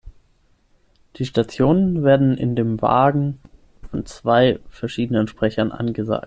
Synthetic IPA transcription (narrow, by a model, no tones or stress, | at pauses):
d̥iːʃtat͡sjoːnənveːɐdn̩ʔɪ̰ndeːmva̰ːɡŋ̩ | fɔnt͡sv̥aɪfɛɐʃiːdənənʃpʁ̥ɛçɐnʔa̰nɡəza̰ːk̚t